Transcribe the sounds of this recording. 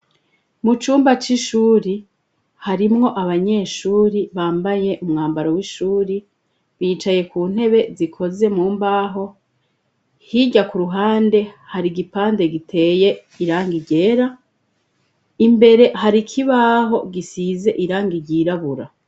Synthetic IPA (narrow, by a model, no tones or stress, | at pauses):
mut͡ʃuːmbat͡ʃiʃuːɾi | haɾimŋo̞ʔaβaɲe̞ːʃuːɾiβaːmbaje̞ʔumŋaːmbaɾowiʃuːɾi | βiːt͡ʃaje̞kuːn̥he̞βe̞zikʰo̞ze̞muːmbaːɦo̞ | hiɟakuɾuɦaːnde̞haɾiɡipaːnde̞ɡitʰe̞ːje̞ | iɾaːŋɡiɟe̞ːɾa | imbe̞ɾe̞haɾikʰiβaːɦo̞ɡisize̞ʔiɾaːŋɡiɾɟiːɾaβuɾa